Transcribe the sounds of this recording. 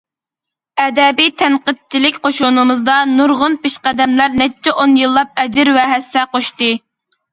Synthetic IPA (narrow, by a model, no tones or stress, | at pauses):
ɛd̪ɛbijt̪ʰɛnqəd̪̚t͡ʃʰilɪkʲqoʃunɨmɨzd̪ɑnuɾʁʊnpɪʃqæd̪ɛmlæɾnɛt͡ʃʰːɛʔonjɨlˠːɑp̚ɛd͡ʒɪɾwɛɦɛsɛqoʃt̪ɨ